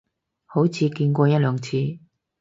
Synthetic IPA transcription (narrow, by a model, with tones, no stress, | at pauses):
ho˨˥wt͡sʰiː˨˧kiː˧nkʷɔː˧jɐ˥t̚lœː˨˧ŋt͡sʰiː˧